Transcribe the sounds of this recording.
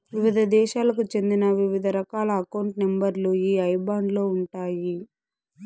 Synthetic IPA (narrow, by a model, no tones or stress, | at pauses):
ʋiʋid̪ʱɐd̪ɛːʃaːlɐkut͡ʃe̞nd̪inɐʋiʋid̪ʱɐɾɐkaːlɐːkɐwɳʈnembɐɾluiːɐjbaːɳɖlo̞ːuɳʈaːji